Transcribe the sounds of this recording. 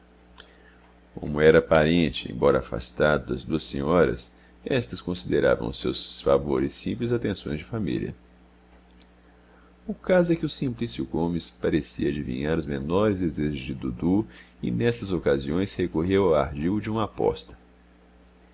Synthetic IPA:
kõ̰mʊɛɾɐpaɾẽnt͡ʃɪḛ̃j̃bɔɾɐafa̰st̪ad̪ʊd̪ɐzd̪uɐsḛ̃ɲɔɾɐ̰s | ɛst̪ɐskõsid̪eɾa̰vɐ̰̃w̃ʊsewsfavoɾɪsːĩmplɪzat̪ẽsõj̃zd͡ʒɪfamḭliɐ̰ | ʊkazʊɛkɪʊsĩmplisjʊɡõmɪspaɾesiɐːd͡ʒivḭ̃ɲaɾʊzmenɔɾɪzd̪ezeʒʊzd͡ʒɪd̪ud̪uɪ̰nɛsɐzokaziõj̃shekoɦewawaɾd͡ʒiwd͡ʒɪũmɐapɔ̰st̪ɐ̥

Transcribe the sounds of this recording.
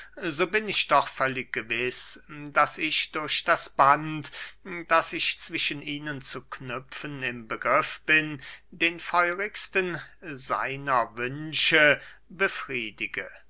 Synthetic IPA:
zoːbɪnɪçd̥ɔχfœlɪk̚ɡ̥əvɪsd̥asɪçd̥ʊɐʃd̥asb̥antd̥asɪçt͡sv̥ɪʃənʔiːnənt͡suknʏfənɪmbəɡʁɪfb̥ɪndeːnfɔʏʁɪkstənza̰ɪnɐvʏnʃə | bəfʁ̥iːdɪɡə

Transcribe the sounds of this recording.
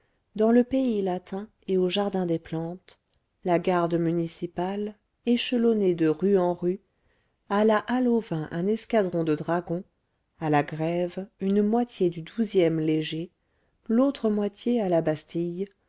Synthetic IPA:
d̪ɑ̃ləpeilat̪ʰɛ̃ | eoʒaʁd̪ɛ̃d̪eplɑ̃t̪ | laɡaʁd̪mynisipal | eʃəlɔned̪əʁyɑ̃ʁy | alaʔalovɛ̃ʔɛ̃nɛskad̪ʁɔ̃d̪əd̪ʁaɡɔ̃ | alaɡʁɛvynmwat̪jed̪yd̪uzjɛmleʒe | lot̪χəmwat̪jealabast̪ij

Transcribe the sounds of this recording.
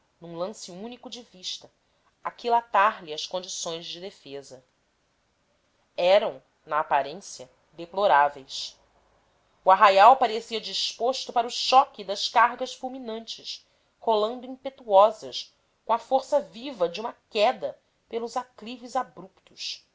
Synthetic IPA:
nũlɐ̃sɪũnikʊd͡ʒɪviʃt̪ɐ | akilat̪aɾliɐskõnd͡ʒisõj̃zd͡ʒɪd̪efezɐ | ɛɾɐ̃w̃ | nɐːpaɾẽsjɐ | d̪eploɾavejs | uaɦajawpaɾesiɐd͡ʒiʃpoʃt̪ʊpaɾuʃɔkid̪ɐʃkaɦɡɐsfulminɐ̃nt͡ʃɪʃ | holɐ̃nd̪ʊĩpet̪uɔzɐʃ | kõɐfoɾsɐvivɐd͡ʒɪũmɐkɛd̪ɐ | pelʊzaklivɪzabɾupt̪ʊs

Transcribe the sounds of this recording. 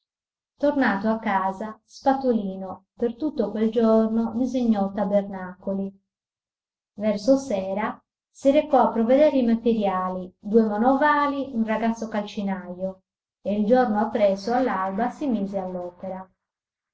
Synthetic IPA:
t̪ornaːt̪oakːaːzaspat̪oliːnopert̪ut̪ːokweld͡ʒornod̪iziɲːɔt̪ːabernakoli | vɛrsosɛːɾa | siɾekɔapːɾoved̪ɛːɾimat̪eɾjaːlid̪uemanɔvaːliunraɡat̪sːokalt͡ʃinajo | eild͡ʒornoapːɾɛsoalːalbasimiːzealːɔːpeɾa

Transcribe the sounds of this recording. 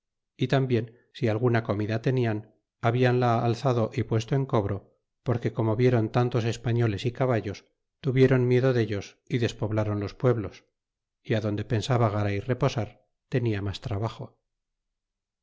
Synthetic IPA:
it̪ambje̞n | sialɣunako̞miðat̪e̞nian | aβianlaːlθaðo̞ʔipwe̞st̪oe̞ŋko̞βɾo̞ | po̞ɾke̞ko̞mo̞βje̞ɾo̞nt̪ant̪o̞se̞spaɲo̞le̞sikaβaʎo̞s | t̪uβje̞ɾo̞nmje̞ðo̞ðe̞ʎo̞s | iðe̞spo̞βlaɾo̞nlo̞spwe̞βlo̞s | iaðo̞nd̪e̞pe̞nsaβaɣ̞aɾaire̞po̞saɾ | t̪e̞niamast̪ɾaβaxo̞

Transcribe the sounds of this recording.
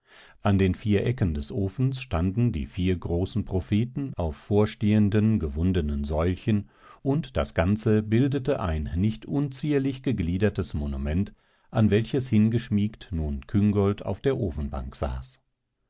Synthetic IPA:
ʔandeːnfiːɐʔɛkəndɛsʔoːfn̩sʃtandn̩dḭːfiːɐɡʁoːsn̩pʁ̥ofeːtn̩aʊfːoːɐʃteːəndənɡəvʊndənənzɔʏlçən | ʔʊntd̥a̰sɡ̥ant͡səbɪldətəʔa̰ɪnːɪçtʔʊnt͡siːɐlɪçɡ̥əɡliːdɐtəsmonumɛnt | ʔanvɛlçəshɪnɡəʃmiːktnuːnkʰʏŋɡɔlta̰ʊfd̥eːɐʔoːfn̩ba̰ŋkz̥a̰ːs

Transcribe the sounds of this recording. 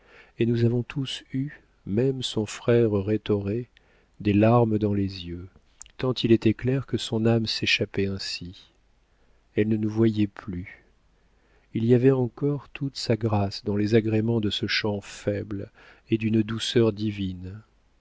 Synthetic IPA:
enuzavɔ̃t̪ʰusy | mɛmsɔ̃fχɛʁʁet̪ɔʁe | d̪elaʁmd̪ɑ̃lezjø | t̪ɑ̃t̪ilɛt̪ɛklɛʁkəsɔ̃namseʃapɛɛ̃si | ɛlnənuvwajɛply | iliavɛɑ̃kɔʁt̪ʰut̪saɡʁasd̪ɑ̃lezaɡʁemɑ̃d̪əsəʃɑ̃fɛbl | ed̪ynd̪usœʁd̪ivin

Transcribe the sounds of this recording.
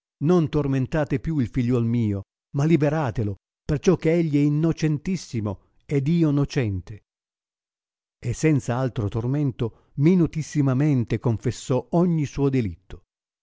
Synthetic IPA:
nont̪orment̪aːt̪epjuilfiʎːɔlmiːo | malibeɾaːt̪elo | pert͡ʃɔkːeeʎːiɛinːot͡ʃɛnt̪isːimo | ed̪iːonot͡ʃɛnt̪e | esːɛnt̪saalt̪ɾot̪orment̪o | minut̪isːimament̪ekoɱfesːɔɔɲːisuːod̪elit̪ːo̥

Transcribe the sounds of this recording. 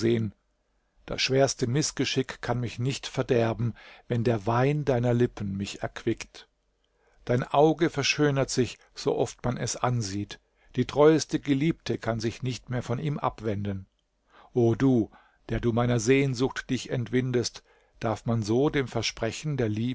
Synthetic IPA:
zeːən | d̥a̰sʃv̥eːɐstəmɪsɡ̥əʃɪkkʰːanmɪçnɪçtfɛɐdɛɐbm̩vɛndeːɐvaɪndaɪnɐlɪpʰn̩mɪçɛɐkv̥ɪkt | d̥aɪnʔaʊɡəfɛɐʃøːnɐtz̥ɪç | z̥o̰ːʔɔftmanɛsʔanziːt | d̥iːtʁ̥ɔʏəstəɡəliːp̚tʰəkʰanzɪçnɪçtmeːɐfɔnʔiːmʔa̰pv̥ɛndən | ʔoːduː | d̥eːɐduːmaɪnɐzeːnzʊxtd̥ɪçɛntv̥ɪndəst | d̥aɐfmanzoːdeːmfɛɐʃpʁ̥ɛçn̩deːɐliː

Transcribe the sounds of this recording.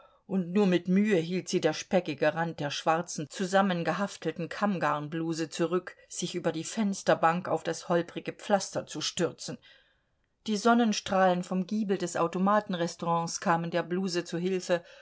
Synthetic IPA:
ʔʊntnuːɐmɪtmyːəɦiːltz̥iːdeːɐʃpɛkɪɡəʁant̚d̥eːɐʃv̥aʁt͡sn̩t͡suzamənɡəɦaftl̩tn̩kʰamɡaɐnbluːzət͡suʁʏkz̥ɪçʔyːbɐdiːfɛnstɐbaŋkaʊfd̥ashɔlpʁɪɡəp͡flastɐt͡suʃtʏʁt͡sn̩ | d̥iːzɔnənʃtʁ̥aːlənfɔmɡiːbl̩dɛsʔa̰ʊtomaːtn̩ʁɛstoʁɑ̃ːskʰaːməndeːɐbluːzət͡suɦɪlfə

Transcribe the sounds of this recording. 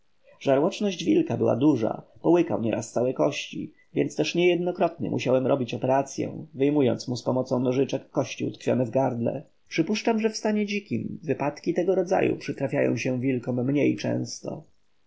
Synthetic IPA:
ʐ̥aɾwɔt͡ʂnɔʑd͡ʑvʲilkabɘwa̰d̪uʐa̰pɔwɘka̰wɲɛɾʔast̪sawɛjkɔɕt͡ɕi | vʲjɛnst̪ɛʂɲɛjɛd̪̚nɔkɾɔt̪ɲɛ̰mʔṵɕawɛmɾɔbʲit͡ɕɔpɛɾat̪sʲjɛ̰w̃vɘjmujɔnt̪smuspɔmɔt̪sɔ̃w̃nɔʐɘt͡ʂɛkːɔɕt͡ɕiut̪kfʲjɔ̰nɛvɡaɾd̪lɛ̰ | pʂɘpuʂt͡ʂamʐɛfst̪aɲɛd͡ʑikʲimvɘpat̪kʲit̪ɛɡɔɾɔd̪za̰jṵpʂɘt̪ɾafʲjajɔ̰̃w̃ɕɛ̃vʲilkɔmːɲejt͡ʂɛ̰̃w̃st̪ɔ̰

